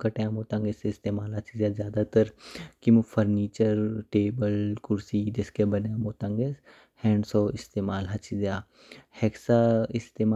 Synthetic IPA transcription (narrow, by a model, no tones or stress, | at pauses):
kɐʈẽãmoːt̪ãːŋɡeseɪst̪eːmaːlɦɐt͡ʃʰizjaːzjaːd̪at̪ɐɾkimufʰɐɾniːt͡ʃəɾʈeːbəlkʊɾsiːd͡ʒɐskebɐnjãmoːt̪ãŋɡes | hɛ̃ːɳɖsoːɪst̪eːmaːlɦɐt͡ʃʰizjaː | hɛksaɪst̪eːmː